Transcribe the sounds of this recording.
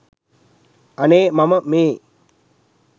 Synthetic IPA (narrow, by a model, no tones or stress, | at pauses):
ɐneːmaməmeː